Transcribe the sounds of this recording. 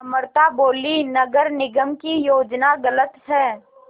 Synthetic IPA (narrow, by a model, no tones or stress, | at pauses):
ɐməɾt̪aboːlinɐɡəɾnɪɡəmkijoːd͡ʒnaɡɐlət̪ɦɛː